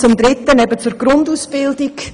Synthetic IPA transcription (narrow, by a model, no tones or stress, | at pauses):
t͡sʊmd̪ɾɪtːənɛbət͡sʊɾɡ̥ɾʊnduːsb̥ɪldɪɡ